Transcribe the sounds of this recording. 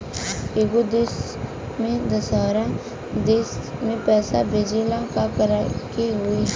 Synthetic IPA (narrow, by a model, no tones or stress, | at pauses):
eɡod̪eːs | mẽd̪əsaːɾa | d̪eːsmẽpɛːsa̰bʱeːd͡ʒelãkakəɾakiɦʊiː